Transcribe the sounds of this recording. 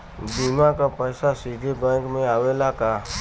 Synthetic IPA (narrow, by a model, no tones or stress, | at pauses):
bimakapəjsasid̪ʱebɛ̃kmẽaːʋelaka